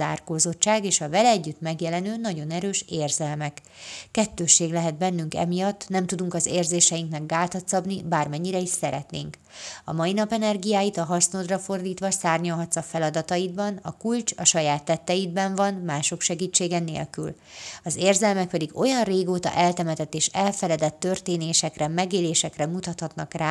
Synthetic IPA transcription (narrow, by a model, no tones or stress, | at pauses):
a̰ːrkoːzo̞t͡ʃt͡ʃːaːɡeːʃɒvɛlɛːɟːyt̪mɛɡjɛlɛnøːnɒɟo̞nɛɾøːʃeːrzɛlmɛkː | ɛt̪ːøːʃːeːɡlɛɦɛd̪̚bɛnːyŋkɛ̰mijɒt̪ːnɛmt̪ud̪uŋkɒzeːrzeːʃɛjiŋknɛɡɡaːlt̪ɒt̪sɒbnibaːrmɛɲːiɾɛiʃsɛɾɛt̪nḛːŋk | ɒmɒjinɒpɛnɛrɡijaːjit̪ɒɦɒrsnod̪rɒfo̞rd̪iːt̪ʋɒsaːrɲolɦɒt̪sɒfɛlɒd̪ɒt̪ɒjid̪bɒnɒkult͡ʃɒʃɒjaːt̪ːɛt̪ːɛjid̪̚bɛɱvɒnmaːʃo̞kʃɛɡiːt͡ʃːeːɡɛnḛːlky̰l | ɒzeːrzɛlmɛk̚pɛd̪iɡo̞jɒnreːɡoːt̪ɒ̰ʔɛlt̪ɛmɛt̪ɛt̪ːeːʃɛlfɛlɛd̪ɛt̪ːø̞rt̪eːneːʃɛkrɛmɛɡeːleːʃɛkrɛmut̪ɒt̪hɒt̪nɒkraː